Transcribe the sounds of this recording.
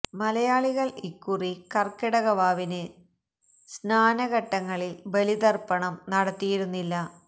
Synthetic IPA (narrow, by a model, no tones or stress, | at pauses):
mɐlɐjaːɭiɣɐɭikːurikɐrkiɽɐɣɐʋaːʋinɨ | snaːnɐɣɐʈːɐŋːɐɭilbelid̪ɐrpɐɳɐmnɐɽɐt̪ːijiɾunːilːɐ